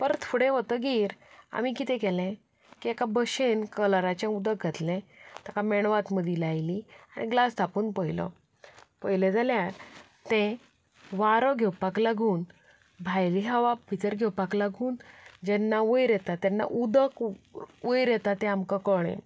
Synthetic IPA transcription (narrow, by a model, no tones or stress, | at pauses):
pəɾt̪ʰuɽẽʋət̪əɡiːɾa̰mikit̪ɛ̃kɛlɛ̃ | kiekabəɕenkəlɾat͡ɕẽud̪ək̚ɡʱat̪lɛ̃t̪akamɛɳ̃ʋat̪məd̪ʱilajliaɽ̃iɡlasd̪ʰʱapuːnpəjlɔ̰ | pəjled͡zaljaɾ | t̪ɛ̃ | ʋaɾɔɡʱɛwpaklaɡuːn | bʱajliɦaʋapit̪əɾɡʱɛwpaklaɡuːnd͡ʑɛnːaʋəjɾjɛt̪at̪ːjɛnːa̰ʔud̪əkʋəjɾjɛt̪at̪ɛ̃amkãkəɽ̃ɛ̰̃